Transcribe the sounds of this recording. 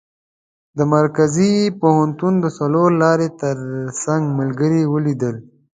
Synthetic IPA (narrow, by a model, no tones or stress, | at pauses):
d̪əmaɾkazipohant̪und̪əsaloɾlɑɾet̪əɾsaŋɡməlɡəɾiwəlid̪əl